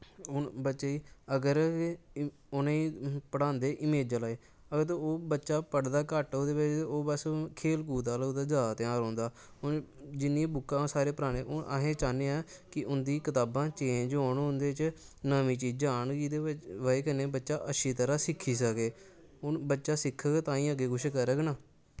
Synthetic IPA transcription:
ʊnbətːʃeːiːəɡəɾ | ʊnẽiːpəɽãːnd̪eːʔɪmeːd͡ʒalaːeː | əɡəɾt̪ooːbətːʃaːpəɽd̪aːkəʈɦoːd̪eːʋɪt͡ʃ̪ːoːbəskʰeːlkuːt̪aːloːd̪aːd͡ʒaːt̪ãːɾɔ̃ːnd̪aː | ʊnd͡ʒɪnːĩːbʊkːãːsaːɾeːpəɾaːɽ̃ẽːʔoʔə̰ɦẽːt͡ʃaːnẽːaːkɪʔʊnd̪iːkɪt̪aːbãːt͡ʃẽːnd͡ʒoːɳʊnd̪eːt͡ʃnəʋĩːt͡ʃiːd͡ʒd͡ʒaːɳɡid̪eːʋəeːkəneːbətːʃaːʔəʃʰiːt̪əɾaːsɪkʰːiːsəkeː | ʊnbətːʃaːsɪkʰːəɡt̪ãːĩːəɡeːkʊʃkəɾəɡnaː

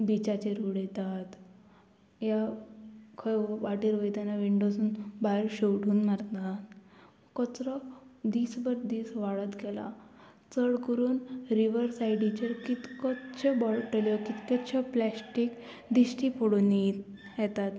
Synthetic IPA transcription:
bit͡ɕat͡ɕeɾuɽɛt̪at̪ | ja | kʰəjʋaʈiɾʋəjt̪anaʋiɳɖosuːnbaɾɕewɽuːnmaɾt̪nat̪ | kɔt͡sɾɔd̪iːsbəɾd̪iːsʋaɭət̪ɡɛla̰ | t͡səɭkəɾuːnɾiʋəɾsajɖit͡ɕeɾkit̪kɔt̪t͡ɕʰebɔlʈəljɔkit̪kɔt̪ɕʰeplæsʈik | d̪iɕʈipʰoɽoni | jɛt̪at̪

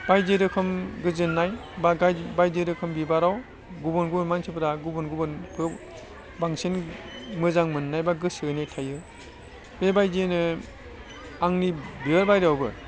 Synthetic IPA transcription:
b̥ajdeɾɯkʰɯmɡɯzɯnːajbaɡabajdɯɾɯkʰɯmbibaɾaw | ɡubɯnɡubɯnmansʰɯpɯɾaɡubɯnɡubɯnpʰɯ | baŋsenmɯzaŋmɯnːajbaɡɯsɯnajtʰajɯ | bebajzinɯ | aŋnibiɯɾbajɾawbɯ̰

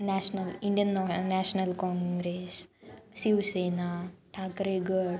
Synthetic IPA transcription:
naːʂɐnɐliɳɖijɐnːoːnaːʂɐnɐlkoːŋɡɾessjuːseːnaʈʰaːkɾeɡɐ

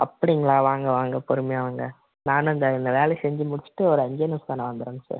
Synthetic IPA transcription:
ʔɐpːɐɽɪɪŋɡɐɭaːʋaːŋɡɐʋaːŋɡɐpɔɾɯmɐjaːʋɐːŋɡɐ | naːnɪnd̪ɐɪnd̪ɐʋeːlɛsɛɲd͡ʒɯmʊɽɪt͡ʃːɯ̥ʈːɯɔɾɯɐɲɡienɐsk̪aːnɐʋɐnd̪ɯɾeːnɡɐsa̰ːɾ

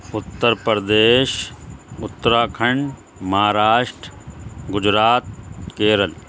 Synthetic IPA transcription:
ʊt̪ːəɾpɐɾd̪eːʃʊt̪ːɾaːkʰɐɳɖ | mɐaːɾaːʃʈɡʊd͡ʑɾaːt̪̚keːɾəl

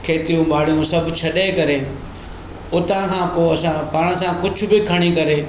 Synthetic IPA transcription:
kʰeːt̪ijũɓaːɽ̤ijũsɐbʱt͡ɕʰɐɗekɐɾe | ʊt̪ãkʰãːpoːɐsãpaːɽ̃əsãkʊd͡ʑʱʊ̆bɪkʰɐɽ̃ikɐɾe

